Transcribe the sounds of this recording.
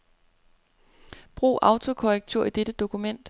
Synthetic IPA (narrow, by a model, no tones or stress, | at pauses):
b̥ʁṵːʔɑ̈ʊt͡sʰo̝kʰɒʁɛɡ̥̚t͡sʰuɐ̰id̥eɾ̥əd̥o̝kʰumen̰d̥